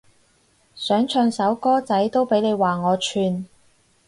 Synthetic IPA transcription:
sœː˨˥ŋt͡ʃʰœː˧ŋsɐ˨˥wkɔː˥t͡sɐ˨˥jt̪o˥wpe˨˥jne˨˧jwaː˨ŋɔː˨˧t͡ʃʰyː˧n

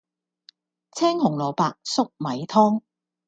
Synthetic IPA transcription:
t͡sʰɛː˥ŋhʊ˨˩ŋlɔː˨˩paː˨˧k̚sʊ˥k̚mɐ˨jt̪ʰɔː˥ŋ

